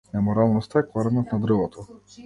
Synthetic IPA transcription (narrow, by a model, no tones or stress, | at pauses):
nɛmɔɾalˠnɔst̪aɛklˠaɾɛnɔt̪nad̪ɾlˠɔt̪ʰɔ